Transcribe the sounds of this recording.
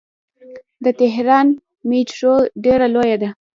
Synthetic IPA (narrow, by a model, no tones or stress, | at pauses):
d̪ət̪ɪɦɾɑn | meʈɾoɖeɾalojad̪a